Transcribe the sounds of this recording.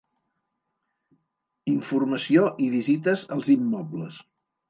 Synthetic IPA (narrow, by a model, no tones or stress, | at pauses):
iɱfurməsioʔiβizit̪əzəlˠzimːɔbləs